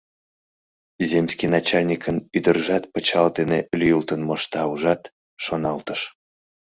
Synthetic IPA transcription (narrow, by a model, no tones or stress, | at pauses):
zʲemskʲinɑt͡ɕɑlʲnʲikənyd̪ərʒɑt̪̚pət͡ɕɑlt̪enelʲyjult̪ənmoʃt̪ɑuʒɑt̪ | ʃonɑlt̪əʃ